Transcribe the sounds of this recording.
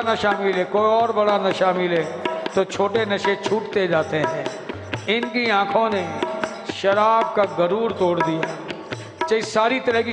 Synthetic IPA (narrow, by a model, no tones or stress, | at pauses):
nɐʃaːmɪleːkoːiɔːɾbɐɽanɐʃaːmɪleːt̪ot͡ʃʰoːʈenɐʃet͡ʃʰuːʈt̪ed͡ʒaːt̪eɦɛ̃ː | ɪnkiãːkʰõne | ʃɐɾaːb̚kaɡɐɾuːɾt̪oːɽd̪ijaː | t͡ʃɐisaːɾit̪ɐɾəɦki